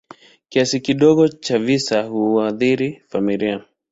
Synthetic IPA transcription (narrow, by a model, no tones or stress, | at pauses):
kiasikiɗɔɠɔt͡ʃavisahuaðiɾifamilia